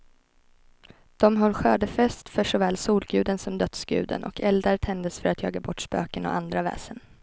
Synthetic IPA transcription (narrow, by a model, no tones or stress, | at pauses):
d̪̥ɔmɦɔlːɧøːɖ̪əfɛst̪fœʂɔvɛːlsuːlɡʉ̟ːd̪ənsɔmd̪œt̪sɡ̥ʉ̟̰ːd̪ə̰nʔɔ̰kʰɛld̪aɾt̪ʰɛnd̪əsfœɾat̪ʰjɑ̰ːɡabɔʈːspø̰ːkənɔ̰and̪ɾavɛ̰ːsən